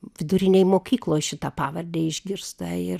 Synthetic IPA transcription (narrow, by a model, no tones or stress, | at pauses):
ʋʲɪd̪ʊɾʲɪnʲejmoːkʲiːklˠoːjʃʲɪt̪ɑpɑːʋɐrʲd̪ʲeːɪʒʲɡʲɪɾst̪ɐɪr